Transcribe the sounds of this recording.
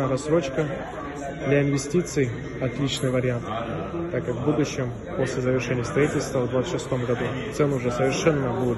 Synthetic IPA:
aɾɐsɾo̞t͡ɕkə | d̪lʲaɪnvʲɪsʲtʲit̪sɨj | ɐt̪lʲit͡ɕnɨjvəɾʲɪant̪ | t̪ːakɨvbud̪ʊɕːɪm | po̞sʲlʲɪzəvʲɪrʂɛnʲɪjəst̪ɾɐitʲɪlʲst̪vəvd̪vat̪ɨ̥ʂɨst̪o̞mɡɐd̪u | t̪sɛnʊʊʐɛsəvʲɪrʂɛnːəbu

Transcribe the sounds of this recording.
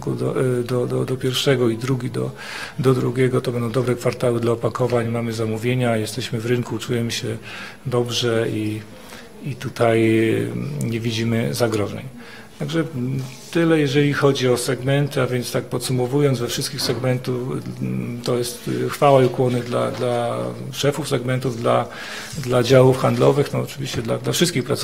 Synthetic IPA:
kud̪ɔd̪ɔd̪ɔd̪ɔpʲjɛɾfʂɛɡɔid̪ɾuɡʲid̪ɔ̰ | d̪ɔd̪ɾuɡʲjɛɡɔt̪ɔbɛnd̪ɔ̃w̃d̪ɔbɾɛkfaɾt̪awɘd̪laɔpakɔvaɲmamɘzamuvʲjeɲajɛst̪ɛɕmɘvɾɘŋkut͡ʂujɛmɘɕɛ | d̪ɔbʐɛi | it̪ut̪ʰaj | ɲevʲid͡ʑimɘzaɡɾɔʐɛ̰ɲ | t̪aɡʐɛt̪ɘlɛjɛʐɛlʲixɔd͡ʑiɔsɛɡmɛnt̪ɘavʲjɛnt̪st̪ak̚pɔt̪sumɔvujɔnzvɛfʂɘst̪̚kʲixsɛɡmɛnt̪uf | t̪ɔjɛst̪xfawaiukwɔnɘd̪la̰d̪la | ʂɛfufsɛɡmɛnt̪uvd̪la | d̪lad͡ʑawufxand̪lɔvɘxt̪ɔːt͡ʂɘvʲiɕt͡ɕɛd̪lad̪lafʂɘst̪kʲixpɾat̪s

